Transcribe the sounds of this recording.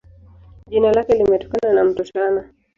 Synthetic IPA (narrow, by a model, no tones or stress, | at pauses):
ʄinalakɛlimɛtɔ̥kananam̩tɔt͡ʃana